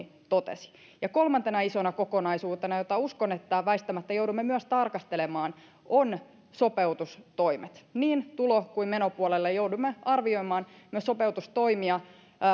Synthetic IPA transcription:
t̪ot̪ḛsi̥ | jɑkolmɑnt̪enɑisonɑko̞konɑisuːt̪enɑjot̪ɑuskonet̪ːæʋæist̪ːæmæt̪ːæjowdumːemyøst̪ɑrkɑst̪elemɑːn | ʔon | so̞peut̪ust̪oimet̪niːnt̪ulokuimmenopuolelːejouwdumːeɑrʋio̞imɑːnmyøso̞peut̪ust̪o̞imiɑ

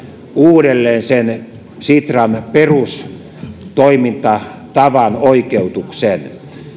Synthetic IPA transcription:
uːɾelːeːnsen | sit̪rɑnperus | t̪oimint̪ɑ | t̪ɑʋɑnoikeut̪uksen

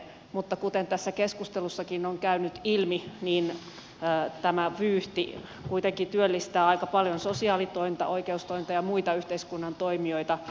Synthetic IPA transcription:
mut̪ːɑkut̪ent̪æsːækeskust̪elusːɑkinoŋkæynyt̪ilminiːnː | t̪æmæʋyːht̪ḭ | kuit̪eŋkit̪yølːist̪æːɑikɑpɑljonsosiɑːlit̪oimt̪ɑ̰ʔoikeust̪oimʲt̪ɑjɑmuit̪ɑyht̪eiskunːɑnt̪oimioit̪ɑ

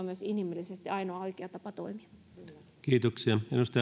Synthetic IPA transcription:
myøsinimilːisest̪iɑinoɑoikeɑt̪ɑpɑt̪oimiɑ̥ | kiːt̪oksiɑḛnːust̪ɑ

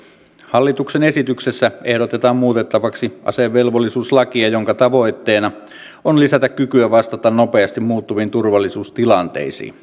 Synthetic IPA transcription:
hɑlːit̪uksene̞sit̪yksesːæe̞hdot̪et̪ɑːmmuːt̪et̪ːɑʋɑksiʔɑ̰seʋːelʋolːisuːslɑkiɑjoŋkɑt̪ɑʋo̞jt̪ːe̞ːnɑ | onlisæt̪ækkykyæʋɑst̪ɑt̪ɑnno̞pe̞ɑst̪immuːt̪ːuʋint̪urʋɑlːisuːst̪ilɑnt̪e̞̰isḭːn

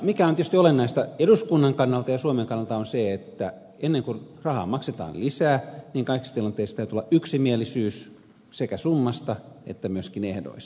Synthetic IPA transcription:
mikæont̪iest̪iolenːɑist̪ɑeduskunːɑŋkɑnːɑlt̪ɑjɑsuomeŋkɑnːɑlt̪ɑonseet̪ːæ | enːeŋkurɑhɑ̰ːmɑkset̪ɑ̰ːllisæːniːŋkɑiki̥st̪ilɑnt̪ˑeˑist̪æyt̪yolːˑɑʔyksimielisyːs | sekæsumːɑst̪ɑḛt̪ːæmyøskinehdo̰is

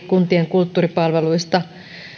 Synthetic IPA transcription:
kunt̪ieŋkult̪ːuːripɑlʋeluist̪ɑ

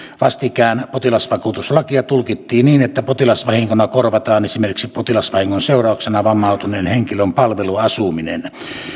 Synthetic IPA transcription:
ʋɑst̪ikæˑenpot̪ilɑsʋɑkut̪uslɑkiɑt̪ulkit̪ːiːnniːnet̪ːæpot̪ilɑsʋɑhiŋkonɑkorʋɑt̪ɑːnesimerkiksipot̪ilɑsʋɑhiŋːonseˑorɑˑoksenɑʋɑmːˑɑˑot̪uneːnheŋkilømpɑlʋeluɑsuminḛn

